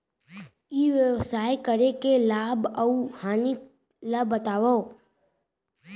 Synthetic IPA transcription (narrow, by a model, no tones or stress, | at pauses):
iʋəʋsaːekəɾekelaːbəuhaːni | labːət̪aːʋə